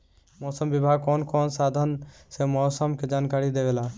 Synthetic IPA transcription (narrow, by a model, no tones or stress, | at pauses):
mɔːsəmʋɪbʱaːɡ̚kɔːnkɔːnsaːd̪ʱənsemɔːsəmked͡ʒaːnkaːɾid̪eʋelaː